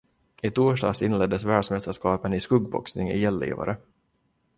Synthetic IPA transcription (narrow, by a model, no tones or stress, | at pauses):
ɪt̪ʰuːʂɖɑ̰ːsɪnlɛd̪ːəsvæːɖʂmɛst̪əʂkɑːpənɪskɵɡbɔ̰ksnɪŋɪjɛlːḭːva̰ɾə